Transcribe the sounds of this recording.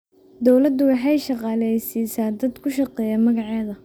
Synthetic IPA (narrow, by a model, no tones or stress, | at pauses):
d̪ɔwlɐd̪ʊwɑħɑjʃɑqɑːlɛjsiːsaːd̪ɐd̪kʰʊʃɑqɛːjɐmɐɣɑʕɛːðɐ